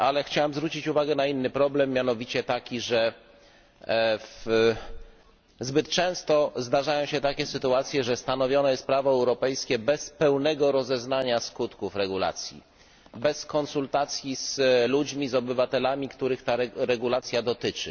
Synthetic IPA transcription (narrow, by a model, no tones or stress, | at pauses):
alɛxt͡ɕawɛmzvɾut͡ɕit͡ɕuvaɡɛnainːɘpɾɔblɛmːjanɔvʲit͡ɕɛt̪akʲiʐɛ | f | zbɘt̪t͡ʂɛ̃w̃st̪ɔzd̪aʐajɔ̃w̃ɕɛt̪akʲɛsɘt̪uat̪sʲjɛʐɛst̪anɔvʲjɔnɔjɛst̪̚pɾavɔɛwɾɔpɛjskʲɛbɛspɛwnɛɡɔɾɔzɛznaɲaskut̪kufɾɛɡula̰t̪sʲjḭ | bɛskɔnsult̪at̪sʲjiz̥lud͡ʑmʲizɔbɘvat̪ɛlamʲikt̪uɾɘxt̪aɾɾɛɡulat̪sʲjad̪ɔt̪ɘt͡ʂɘ